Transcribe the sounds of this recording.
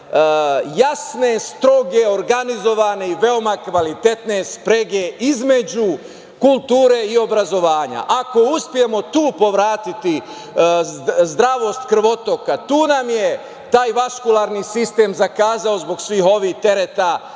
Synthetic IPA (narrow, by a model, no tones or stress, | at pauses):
jasne̞st̪ɾo̞ɡe̞o̞ɾɡanizo̞ʋane̞iʋe̞o̞makʋalit̪e̞t̪ne̞spɾeɡe̞ʔizme̞d͡ʑu | kulˠt̪uːɾe̞io̞bɾazo̞ʋaːɲa̰ʔako̞uspije̞mo̞t̪uːpo̞ʋɾaːt̪it̪i | zd̪ɾaʋo̞st̪kr̩ʋo̞t̪o̞kat̪uːnamje | t̪aːjʋaskulˠaːɾnisist̪e̞ːmzakaːzao̞zbo̞ɡsʋiːɦo̞ʋiːht̪e̞ɾet̪a